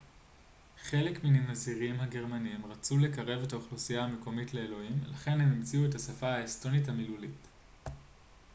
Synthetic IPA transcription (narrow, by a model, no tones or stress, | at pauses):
χe̞le̞kminimaziʁimhaɡe̞ʁmaniimʁat͡sule̞kaʁe̞vetaoχlusijahame̞ko̞mitle̞elo̞imlaχe̞nhe̞mimt͡siuethasafaaesto̞nithamilulit